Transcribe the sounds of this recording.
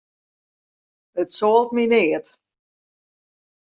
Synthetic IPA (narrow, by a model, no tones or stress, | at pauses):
ətsoːlˠt̚minɪːət